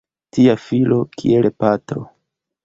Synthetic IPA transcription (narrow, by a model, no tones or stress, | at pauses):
tiafilo̞kʰḭelpatɾo̰